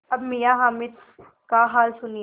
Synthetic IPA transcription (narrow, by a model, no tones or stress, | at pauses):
ɐbmijaɦaːmɪd̪ | kaɦaːlsʊni